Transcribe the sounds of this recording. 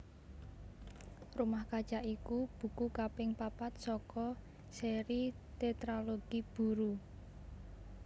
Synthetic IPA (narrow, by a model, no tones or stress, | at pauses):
rumahkḁʒ̥aʔikub̥ṳkukapɪŋpapat̪̚sɔkɔ | seɾi | t̪et̪ɾaloɡ̥ib̥ṳɾu